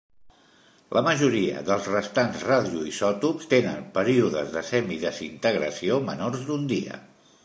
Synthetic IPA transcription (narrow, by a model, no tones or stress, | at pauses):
lʔəməʒuɾiə̰ðəlˠzrəst̪anzraðiuisɔt̪upst̪enənpəɾiuðəzðəsɛmiðəsint̪əɣɾəsiomənorzd̪und̪iə̰